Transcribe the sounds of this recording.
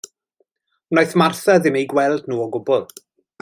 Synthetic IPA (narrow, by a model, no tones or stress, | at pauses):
najθmarθaðɪmejɡwɛlˠdnuːɔɡʊbɔlˠ